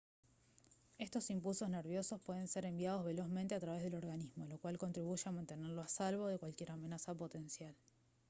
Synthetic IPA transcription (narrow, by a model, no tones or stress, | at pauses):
e̞st̪o̞simpulso̞zne̞ɾβ̞jo̞so̞spwe̞ðe̞nse̞ɾe̞mbjað̞o̞zβe̞lo̞zmẽnt̪e̞at̪ɾaβ̞e̞zð̞e̞lo̞ɾɣanizmo̞lo̞kwalko̞nt̪ɾiβuʃeamant̪e̞neɾloasalβo̞ð̞ekwalkje̞ɾame̞nasapo̞t̪e̞nsjal